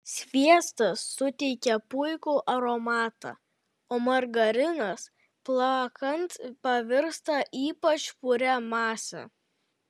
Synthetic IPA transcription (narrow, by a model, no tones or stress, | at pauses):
sʲʋʲiɛst̪ɐsːʊt̪ʲɛɪkʲɛpʊɪkuːʔɐɾɔmɑːt̪ɑ̰ː | oːmɐɾɡɐɾʲɪnɐs | plˠɑkɐnt̪pɐʋʲɪɾst̪ɐʔiːpɐt͡ʃpʊɾʲɛmɑːsʲɛ̰